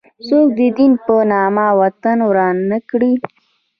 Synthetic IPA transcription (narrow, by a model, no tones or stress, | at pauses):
sok̚d̪əd̪inpənɑmawat̪anwɾɑnnəkɽi